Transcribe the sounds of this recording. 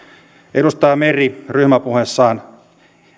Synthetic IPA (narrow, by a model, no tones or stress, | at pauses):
eɾust̪ɑːmeriryhmæpuhesːɑːn